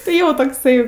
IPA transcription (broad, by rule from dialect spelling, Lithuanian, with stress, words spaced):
tɐɪ ˈjoː toːkˈsɐɪ